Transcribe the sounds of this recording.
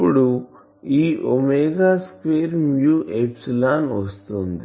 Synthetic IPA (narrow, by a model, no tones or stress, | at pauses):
pːuɽu | iːʔomeɡaːspeːɾmjuːʔepslaːnʋɐst̪ond̪i